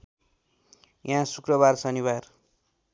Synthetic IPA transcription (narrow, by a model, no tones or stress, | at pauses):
jãsukrʌbarsʌnibar